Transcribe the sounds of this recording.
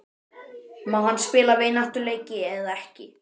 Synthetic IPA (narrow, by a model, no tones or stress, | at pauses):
mawhanːspɪːlaveːjnaht̪ʏleːjcɪɛðaɛhcɪ